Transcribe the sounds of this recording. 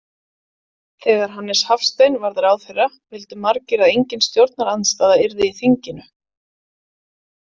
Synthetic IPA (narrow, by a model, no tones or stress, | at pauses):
θɛːɣaɾ̥ɦanːɪshafst̪ejnvaɾðaɾawðfɛrːa | vɪlt̪ɪmaɾcɪɾaðejɲcɪnst̪jowɾt̪̚naɾanst̪aːðaɪɾðɪiθiɲcɪnʏ